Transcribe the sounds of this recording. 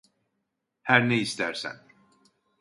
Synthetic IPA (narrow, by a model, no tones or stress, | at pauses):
hæɾnɛist̪ʰæɾsæ̰n